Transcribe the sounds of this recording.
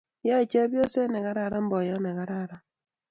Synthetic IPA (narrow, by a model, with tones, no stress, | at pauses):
ja˦i˨t͡ʃɛ˦bjɔ˦sɛ˦nɛ˨ka˦ɾa˦˨ɾa˦m̩˦bɔ˨jɔ˦nɛ˨ka˦ɾa˦˨ɾa˦